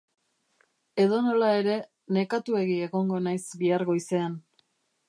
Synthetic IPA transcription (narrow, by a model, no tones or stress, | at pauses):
e̞ðo̞no̞lae̞ɾe̞ | ne̞kat̪ue̞ɣie̞ɣo̞ŋɡo̞najsbiaɾɣo̞ise̞an